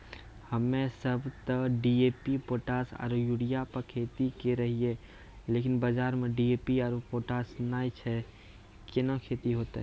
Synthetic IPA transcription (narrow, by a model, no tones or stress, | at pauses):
həmẽsəbʱt̪əɖiepipoːʈasa̰ɾojuɽijapəɾkʰeːt̪ikeɾəɦie | leːkɪnbəd͡ʒaːɾmẽɖiepiaːɾopoːʈasnaːit͡ʃʰɛ | kɪnɔ̃kʰeːt̪iɦoːt̪ḛ